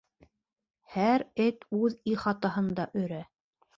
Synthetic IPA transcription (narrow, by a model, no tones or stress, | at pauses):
hæɾɘt̪ʉðiχɑt̪ɑɦɤ̆nd̪ɑʔɵ̆ɾæ